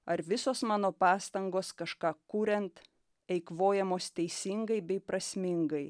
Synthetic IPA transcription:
ɐɾʋʲɪsoːsmɑːnoːpɑːst̪ɐŋɡoːskɐʃkɑːkuːɾʲɛnt̪ | ɛɪkʋoːjɛmoːst̪ʲɛɪsʲɪŋɡɐɪbʲɛɪpɾɐsʲmʲɪŋɡɐɪ

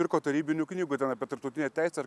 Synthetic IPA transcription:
ɪɾkoːt̪ɐɾʲiːbʲɪnʲʊknʲiːɡʊt̪ʲɛnɐpʲiɛt̪ɐɾpt̪ɐʊt̪ʲɪnʲɛt̪ʲæɪsʲɛɐɾ

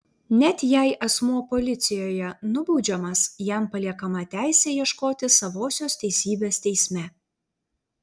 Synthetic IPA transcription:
nʲɛt̪ʲjɛˑɪʔɐsmuɔpɔlʲɪt̪sʲɪjoːjɛnʊbuʊd͡ʒʲɛmɐsjæˑmpɐlʲiɛkɐmɐt̪ʲæˑɪsʲeːjiɛʃkoːt̪ʲɪsɐʋoːsʲoːst̪ʲɛɪsʲiːbʲeːst̪ʲɛɪsʲmʲɛ

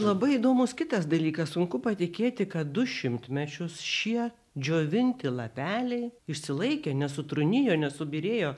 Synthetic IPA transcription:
lˠɐbɐɪiːd̪oːmʊskʲɪt̪ɐs̬d̪ɐlʲiːkɐssʊŋkʊpɐt̪ʲɪkʲeːt̪ʲɪkɐt̪̚d̪ʊʃʲɪmʲt̪ʲmʲɛt͡ʃʲʊsʃʲiɛ | d͡ʒʲoːʋʲɪnʲt̪ʲɪlˠɐpʲæːlʲɛɪɪʃʲsʲɪlˠɐɪkʲeːnʲɛsʊt̪ɾʊnʲɪjoːnʲɛsʊbʲiɾʲeːjoː

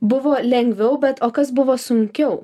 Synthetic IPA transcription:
bʊʋoːlʲɛŋʲɡʲʋʲɛʊbʲɛt̪oːkɐsbʊʋoːsʊŋʲkʲɛʊ

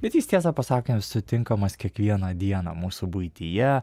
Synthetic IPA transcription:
bʲɛt̪jiːst̪ʲiɛs̬ɐpɐsɑːkʲɪnʲsʊt̪ʲɪŋkɐmɐskʲiɛkʋʲiɛnɐd̪ʲiɛnɐ̰muːsʊbʊɪt̪ʲijɛ

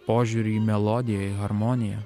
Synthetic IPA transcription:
poːʒʲuːɾʲiːmʲɛlˠɔd̪ʲɪjɛiɣɐɾmɔnʲɪjɛ

